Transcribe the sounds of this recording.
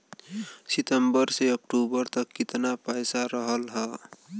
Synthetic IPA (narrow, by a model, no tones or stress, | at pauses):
sɪt̪əmbəɾseək̚ʈubəɾt̪əkːɪt̪napɛjsaɾəɦəlɦɛː